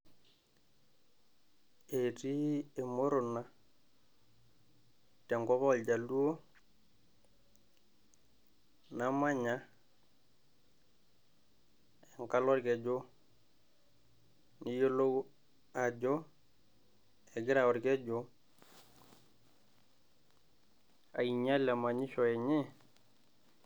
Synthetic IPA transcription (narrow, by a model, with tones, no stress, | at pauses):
e˨ti˦e˨mo˦ɾu˨na˦ | tɛ˨ŋɡɔ˦kɔ˦lɟa˨lu˦o˦ | na˨ma˦ɲa˦ | ɛ˨ŋka˦lɔ˦ɾkɛ˨d͡ʒo˦ | ni˨˦jo˦lo˦ɡ | a˨d͡ʒɔ˦ | ɛ˨ɡɪ˦ɾa˨wɔ˨ɾkɛ˦d͡ʒɔ˦ | a̰˨i˨ɲa˦la˨ma˨ɲi˦ʃɔ˨ɛ˨ɲɛ˦